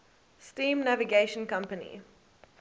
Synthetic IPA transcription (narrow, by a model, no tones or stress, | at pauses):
stĩːmnæviɡeɪʃə̃nkʌ̃mpənḭ